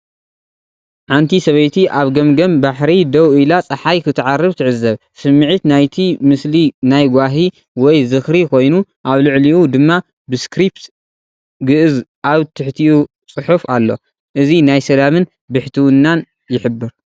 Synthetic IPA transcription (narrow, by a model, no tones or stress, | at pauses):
ʕant̪ʰisɐβɐjt̪ʰiʔaβɡɐmɡɐmbaħɾid̪ɐwɨlat͡sʼɐħajkʰɨt̪ʰɨʕarːɨβt̪ʰɨʕɨzɐβ | sɨmːɨʕit̪najt̪ʰimɨslinajɡʷaɦi | wɔjzɨxɾikʰo̞jnuʔaβlɨʕliʔud̪ɨmːa | bɨskɾipt̪ | ɡɨʔɨzʔaβt̪ʰɨħt̪ʰiʔu | t͡sʼɨħufalːo̞̰ | ʔɨzinajsɐlamɨn | bɨħt̪ʰiwɨnːan | jɪħɨbːɨɾ